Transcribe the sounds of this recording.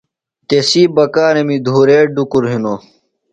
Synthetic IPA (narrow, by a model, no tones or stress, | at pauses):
t̪esiːbɐkaːɾemid̪ʱuːɾeːɖukuɾɦino